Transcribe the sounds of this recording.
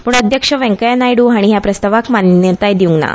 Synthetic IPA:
puːɳəd̪ʱjəkʂəʋɛ̃ŋkəjanajɽuːɦaɽ̃iɦjapɾəst̪aʋakmanjət̪ajd̪iuŋɡna̰

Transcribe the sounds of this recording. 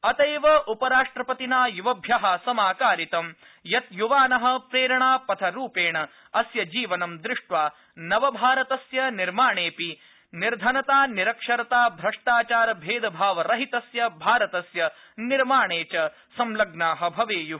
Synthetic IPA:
ɐt̪ɐjʋɐʔupɐɾaːʂʈɾɐpɐt̪inaːjuʋɐbʱjɐɦɐsɐmaːkaːɾit̪ɐm | jɐt̪juʋaːnɐɦɐ̆pɾeːɾɐɳaːpɐt̪ʰɐɾuːpeːɳɐ | ɐsjɐd͡ʒiːʋɐnɐmd̪ɾɪʂʈʋaː | nɐʋɐbʱaːɾɐt̪ɐsjɐniɾmaːɳeːpi | niɾd̪ʱɐnɐt̪aːniɾɐkʂɐɾɐt̪aːbʱɾɐʂʈaːt͡ʃaːɾɐbʱeːd̪ɐbʱaːʋɐɾɐɦit̪ɐsjɐbʱaːɾɐt̪ɐsjɐ | niɾmaːɳeːt͡ʃɐ | sɐmlɐɡnaːɦɐ̆bʱɐʋeːju

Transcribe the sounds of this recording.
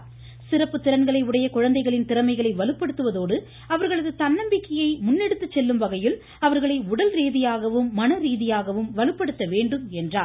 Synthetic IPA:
sɪɾɐpːɯt̪ːɪɾɐnɡɐɭɐɪʊɽɐjɐkʊɻɐnd̪ɐɪɣɐɭɪnt̪ɪɾɐmɐɪɣɐɭɐɪʋɐɭɯpːɐɽɯt̪ːɯʋɐðoːɽɯ | ɐʋɐɾɣɐɭɐðɯt̪ɐnːɐmbɪkːɐjɐɪmʊnːɛɽɯt̪ːɯt͡ʃːɛlːɯmʋɐɣɐjɪl | ɐʋɐɾɣɐɭɐɪʊɽɐlɾiːðɪjaːɣɐʋɯmːɐnɐɾiːðɪjaːɣɐʋɯmʋɐɭɯpːɐɽɯt̪ːɐʋeːɳɖɯmɛndraːl

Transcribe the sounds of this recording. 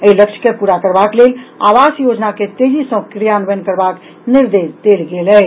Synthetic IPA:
əiləkt͡ʃʰkepuɾakəɾbaklela̰ʋasjod͡ʒnaket̪ed͡ʒisə̃kɾijanbənkəɾbak | niɾd̪esd̪elɡelɛ

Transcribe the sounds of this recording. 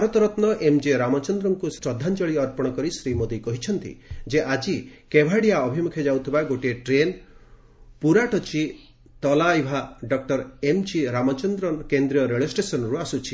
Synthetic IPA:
bʱaɾɔt̪ɔɾɔt̪nɔʔemd͡ʒiɾamɔt͡ʃɔnd̪ɾɔŋkusɾɔd̪ʱːant͡ʃɔɭiɔɾpɔɽ̃ɔkɔɾisɾimod̪ikɔɦit͡ʃʰɔnt̪ḭd͡ʒeʔad͡ʒikebʱaɽijaɔbʱimukʰjed͡ʒawt̪ʰibaɡoʈeʈɾen | puɾaʈɔt͡ʃʰi | t̪ɔlajibʱaɖɔk̚ʈɔɾemd͡ʒiɾamɔt͡ʃɔnd̪ɾɔnkend̪ɾiɔɾeɭesʈesɔnɔɾuasut͡ʃʰi̥

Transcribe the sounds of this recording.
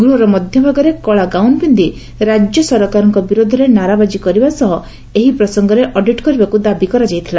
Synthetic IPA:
ɡɾuɦɔɾɔmɔd̪ʱjɔbʱaɡɔɾekɔɭaɡawnbind̪i | ɾad͡ʒjɔsɔɾɔkaɾɔŋkɔbiɾod̪ʱɔɾenaɾabad͡ʒikɔɾibasɔɦɔ | eɦipɾɔsɔŋɡɔɾeʔɔɖiʈkɔɾibakud̪abikɔɾad͡ʒajt̪ʰila

